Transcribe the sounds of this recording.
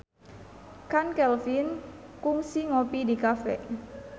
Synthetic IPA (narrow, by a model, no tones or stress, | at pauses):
kankɛlfinkuŋsiŋopidikafɛ̰